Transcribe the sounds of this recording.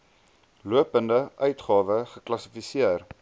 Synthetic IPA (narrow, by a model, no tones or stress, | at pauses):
luəpəndəʔœɥtχɑːvəχəklɐsifisiər